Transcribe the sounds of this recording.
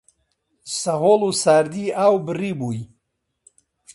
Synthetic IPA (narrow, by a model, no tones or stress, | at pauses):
sɐɦoːlusaːɾd̪iaːwbɨriːbuj